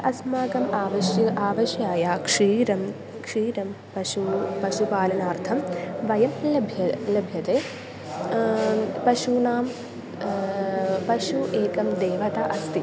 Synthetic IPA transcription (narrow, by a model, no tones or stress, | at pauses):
ɐsmaːɡɐmaːʋɐʃjaːʋɐʃjaːjaːkʂiːɾɐm | kʂiːɾɐm | pɐʃupɐʃupaːlɐnaːɾt̪ʰɐmʋɐjɐmlɐbʱjɐlɐbʱjɐt̪eː | pɐʃunaːm | pɐʃuʔeːkɐmd̪eːʋɐt̪aʔɐst̪i